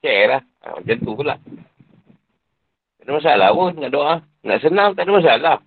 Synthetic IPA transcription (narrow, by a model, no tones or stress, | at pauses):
t͡ʃɛla | a̰a̰t͡ʃənt̪ukənla̰ʔ | t̪anəmas̬ala̰wonaʔdoʔa | na̰ʔs̬ənamt̪anamas̬ala